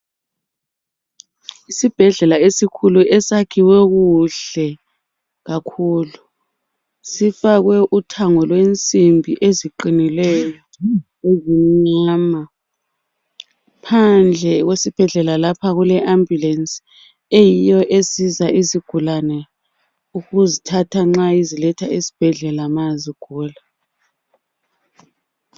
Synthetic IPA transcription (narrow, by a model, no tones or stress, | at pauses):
isib̥ʱɛɮɛlaesikʰuluʔɛsakʰiwɛɣuɬɛ | ɣakʰuːlu | sifaɣwɛʔutʰaŋɔlwent͡sʼimbʱiʔeziǃinilɛjɔ | eziɲaːma | pʰand͡ɮʱɛɣwesib̥ʱɛɮɛlalapʰaɣulɛʔambʱjulɛns | ejijɔʔesizaʔiziɡ̥ʱulanɛ | uɣuzitʰatʰaŋ͡ǁaizilɛtʰaisi̥b̥ʱɛɮɛlamaziɡ̥ʱuːla